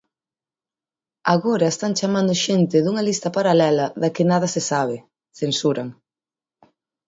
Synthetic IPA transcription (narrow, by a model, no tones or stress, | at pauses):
aɣoɾɐest̪aŋt͡ʃamand̪ʊʃent̪ɪðuŋɐlist̪ɐpaɾalɛlɐðɐkɪnað̞ɐsesaβ̞ɪ | θensuɾɐŋ